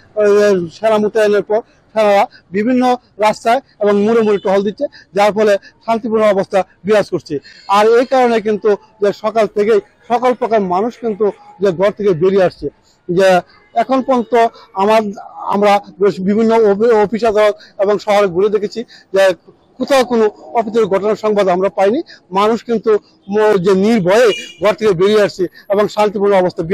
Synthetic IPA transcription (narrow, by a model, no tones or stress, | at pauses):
eʃenamuʈaneɾpɔɾ | ʃenaɾabibʱinːo | ɾast̪ae | eboŋmuɾemuɾeʈɔɦold̪itːɕʰed͡ʑaɾfɔleʃant̪ipuɾnoɔbost̪ʰabɾiɦad͡ʑkoɾt͡ɕʰiaɾejkaɾonek̬int̪u | d͡ʑeʃɔkalt̪ʰekej | ʃɔkalpɾɔkaɾmanuʃkint̪ud͡ʑeɡʱɔɾt̪ʰekebeɾieaʃt͡ɕʰe | d͡ʑe | ɛkʰonpɔnt̪oamaɾa̰mɾabibʱinːoopiʃad̪ʱaɾot̪eboŋʃɔɦoɾeɡuled̪ekʰet͡ɕʰid͡ʑe | kut̪ʰakonoɔpit̪̬eɾɡʱɔʈonaɾʃɔŋbad̪amɾapajnimanuʃkint̪u | d͡ʑeniɾbʱɔeeɡʱɔɾt̪ʰekebeɾiaʃt͡ɕʰieboŋʃant̪̬ipuɾnɔbost̪ʰabia